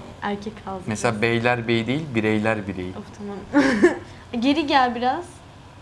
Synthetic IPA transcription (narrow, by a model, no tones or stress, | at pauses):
æɾcʰɛcʰalˠd̪ɯmeselʲaːbejlʲæɾbejd̪ejilʲbiɾejlʲæɾbiɾejiot̪ʰamam | ɟe̞ɾiɟælʲbiɾaz̥